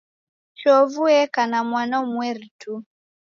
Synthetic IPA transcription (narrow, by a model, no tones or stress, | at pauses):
t͡ʃɔvuɛkanamwanɔmwɛɾitu